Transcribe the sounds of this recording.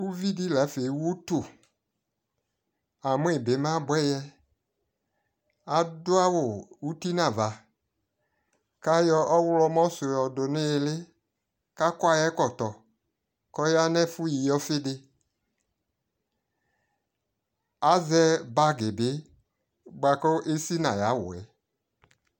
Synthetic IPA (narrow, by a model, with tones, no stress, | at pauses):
u˦vi˦di˦la˨˦fe˨˦wu˦tu˨ | a˨mʊ˦e˨be˨˦mã˦bʊ˦ɛ˦jɛ˦ | a˨dʊ˦a˦wʊ˨u˦ti˦nã˨va˨ | ka˦jɔ˧ʔɔ˦wlɔ˦mɔ˦sʊ˨jɔ˨dʊ˨nɪ˦˨lɪ˦ | ka˦kwa˦˧jɛ˦kɔ˨tɔ˨ | kɔ˦ja˦nɛ˦fʊ˦ji˨jɔ˦fɪ˦dɪ˧ | a˨˦zɛ˦ba˦ɡe˨bɪ˨˦ | ɡ͡ba˨kɔ˦ʔe˦si˦na˨ja˨˦wʊ̰˨ɛ̰˨˦